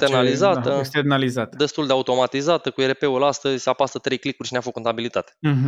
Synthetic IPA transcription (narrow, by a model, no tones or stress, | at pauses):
t̪eɾnalizat̪əst̪enalizat̪əd̪e̞st̪uld̪eaut̪o̞mat̪izat̪əkueɾepe̞ulast̪əzʲseapast̪ət̪ɾe̞jklikurʲʃineafoko̞nt̪abilit̪at̪eɦ